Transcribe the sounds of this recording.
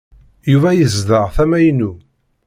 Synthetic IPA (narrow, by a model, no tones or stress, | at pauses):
juvæjəzðəʁθæmæjnːu